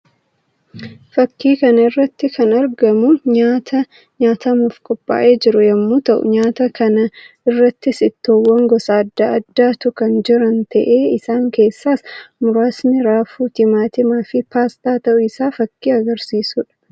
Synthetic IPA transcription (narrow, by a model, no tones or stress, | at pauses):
fɐkːiːkɐnɐɪrːɐt̪ːɪkʰɐnɐɾɡɐmʊɲaːt̪ʰɐ | ɲaːt̪ɐmʊfkʼɔpʼːa̰ːʔe̞ːd͡ʒɪɾʊjɐmːuːt̪ɐʔʊ̰ɲaːt̪ɐkɐnɐ | ɪrːɐt̪ːɪsɪt̪ːoːwːɐŋɡɔsaːd̪ːaɐd̪ːaːt̪ʊkɐnd͡ʒɪɾɐnt̪ɐʔe̞ːɪsaːŋke̞ːsːaːsmʊɾaːsnɪɾaːfuːt̪ɪmaːt̪ɪmaːfɪpaːst̪aːt̪ɐʔʊɪsaːfɐkːiːɐɡɐɾsiːsuːᶑɐ̥